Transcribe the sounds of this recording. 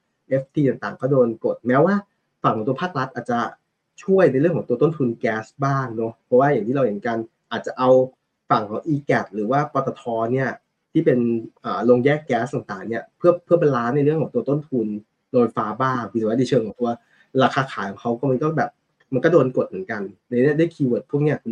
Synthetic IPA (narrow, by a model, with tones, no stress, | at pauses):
ʔe˦˥f̚ʰt̪ʰiː˧t̪a˨˩ŋt̪aː˨˩ŋkɔː˥˩doː˧nko˨˩t̪̚mɛː˦˥waː˥˩ | fa˨˩kʰɔ˨˩˦t̪u˧ɐpʰaː˥˩k̚ɾa˦˥t̪̚ʔaː˨˩t̪̚t͡ɕa˨˩ | t͡ɕʰu˥˩əjna˧jɾɯ˥˩əŋʰkɔː˩˦ŋt̪u˧t̪o˥˩nt̪ʰu˧nkɛː˦˥sbaː˥˩ŋnɔ˦˥pʰɔ˦˥waː˥˩ja˨˩ŋt̪ʰiː˥˩a˧whe˩˦nka˧n | ʔaː˨˩t̪̚t͡ɕa˨˩ʔa˧w | fa˨˩ŋkʰɔː˨˩˦ŋʔiː˧kɛ˨˩t̪̚ɾɯː˩˦waː˥˩pɔː˧t̪a˧t̪ʰɔː˧ni˥˩ɐ | t̪ʰiː˥˩pe˧nʔəː˨˩lo˧ŋjɛː˥˩kːɛː˦˥st̪aː˨˩ŋt̪aː˨˩ŋni˥˩ɐpʰɯ˥˩ɐpʰɯ˥˩pːlaː˦˥na˧jɾɯ˥˩əŋkʰɔː˨˩˦ŋt̪u˧t̪o˥˩nt̪ʰu˧n | noː˧nfaː˧˥baː˥˩ŋʰɯ˧saː˥ni˧t͡ɕʰɤː˧ŋkʰɔː˨˩˦ŋt̪u˧ɐ | ɾaː˧kʰaː˧kʰaː˩˦jkʰɔ˨˩˦ŋkʰa˦˥wkɔ˥˩ma˧nkɔː˥˩bɛː˨˩p̚ | ma˧nkɔː˥˩doː˧nko˨˩t̪̚m˩˦nka˧n˧˩˦niː˦˥˩ɐda˥˩jkʰiː˧wɤː˨˩t̪̚ʰu˥˩ni˦˥ɐ˨kʰu˧